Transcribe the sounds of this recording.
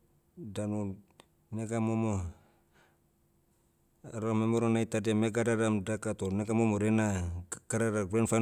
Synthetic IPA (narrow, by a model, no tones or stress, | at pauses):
danu | neɡamomo | ɾamemoɾonajtademeɡadaɾamdakatoneɡamomoɾenaɡ̥aɾaɾaɡɾenfa